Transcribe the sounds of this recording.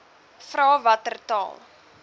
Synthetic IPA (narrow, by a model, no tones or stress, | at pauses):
frɑːvɐtərtɑ̰ːlˠ